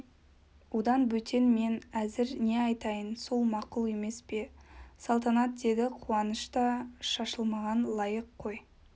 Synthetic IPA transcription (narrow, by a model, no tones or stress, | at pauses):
wod̪ɑnbɵt̪ʰe̞nme̞næzɪɾne̞ɑjt̪ɑjənso̞lˠmɑqʊlˠe̞me̞spe̞sɑlˠt̪̬ɑnɑt̪̚d̪e̞d̪ɪqʰuɑnəʃt̪ɑʃɑʃəlˠmɑʁɑnlˠɑjəqʰːo̞j